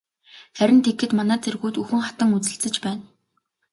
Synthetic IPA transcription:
χæɾʲɪ̆nt̪ʰekːɘ̆t̪manæːt͡sʰerɣuːt̪uxɘ̆ŋχat̪ə̆ŋut͡sɘ̆ɬt͡sɘ̆t͡ɕpæːn

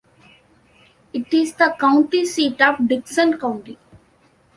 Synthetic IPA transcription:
ɪʈɪzd̪əkãʊ̃ɳʈisiːʈɔːʋɖɪksə̃nkãʊ̃ɳʈi

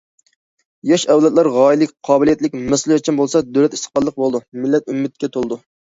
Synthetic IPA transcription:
jɑʃɛwlɛt̪lɑɾʁɑːilɪkʲqʰɑːbɪlijɛt̪lɪkʲmɛsɨlˠt͡ʃʰinbolˠsɑd̪ølɛt̪i̥st̪ə̥χpɑlˠːəq̚bolˠd̪umɪlːɛt̪ymːɪt̪̚kʲɛt̪ʰolˠɨd̪u

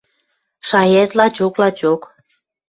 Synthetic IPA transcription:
ʃɑjet̪lɑt͡ɕoklɑt͡ɕok

